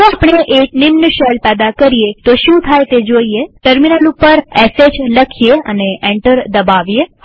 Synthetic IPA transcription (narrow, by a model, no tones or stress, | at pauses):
t̪oɐpɳ̃eʔeːk̚nɪmnəʃɛːlpɛːd̪akəɾiet̪oʃũːt̪ʰaːjt̪ed͡ʒoːijeʈəɾmɪnəlupːəɾɛːsed͡ʒləkʰijeɐ̰neʔẽɳʈəɾd̪ɐbaːʋije